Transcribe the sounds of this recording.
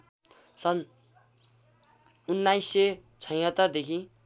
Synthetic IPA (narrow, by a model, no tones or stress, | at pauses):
sʌn | unːajsːe | t͡sʰʌj̃ɦʌt̪ːʌrd̪ekʰĩ